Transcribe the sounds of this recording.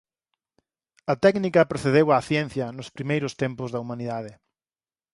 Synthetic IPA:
ɐt̪ɛknikɐpɾoθeðewaθjɛn̟θjɐnʊspɾimejɾʊst̪empʊzðɐumaniðaðɪ

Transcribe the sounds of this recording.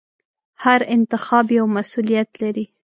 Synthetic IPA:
haɾɪnt̪ɪxɑbjawmasulijat̪laɾi

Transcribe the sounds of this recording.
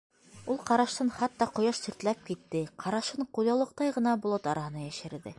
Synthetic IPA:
ulˠqɑɾɑʃt̪ɤnχɑt̪ːɑqŏjɑʃsɵ̆ɾt̪læp̚kit̪ːɘqʰɑɾɑʃɤɴqulˠɑlˠɤ̆q̚t̪ɑjʁɤ̆nɑbŏlˠot̪ɑɾɑhɤ̆nɑjæʃɘ̆ɾðɘ̰

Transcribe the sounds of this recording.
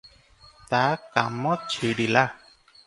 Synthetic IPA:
t̪akamɔt͡ɕʰiɖila

